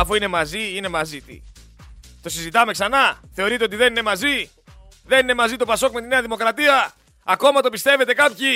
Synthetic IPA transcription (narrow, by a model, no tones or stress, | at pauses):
ɐfuine̞mɐziine̞mɐzit̪ḭ | t̪o̞sizit̪ɐme̞ksɐnɐθe̞o̞ɾit̪e̞ot̪iðe̞nine̞mɐzi | ðe̞nine̞mɐzit̪o̞pɐso̞kmet̪ine̞ɐðimo̞kɾɐt̪iɐ | ɐko̞mɐt̪o̞pist̪e̞ve̞t̪e̞kɐpçi